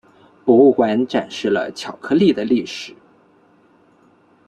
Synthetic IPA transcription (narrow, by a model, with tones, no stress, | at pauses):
pɔ˧˥u˥˩kwa˧˥nʈ͡ʂa˨˩nʂɻ̩˥˩lə̰˩t͡ɕʰjɑ˨˩ʊkʰɤ˥˧li˥˩d̪ə˩li˥˩ʂɻ̩˨˩˦